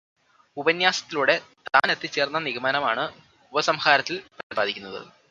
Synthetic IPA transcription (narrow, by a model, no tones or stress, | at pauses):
ubɐnjaːsɐt̪ːiluɽe̞t̪a̰ːnet̪ːit͡ɕːe̞ːrnːɐniɣɐmaːnɐmaːɳɨ | ubɐsɐmxaːɾɐt̪ːilprɐibaːðikʲːunːɐðɨ̰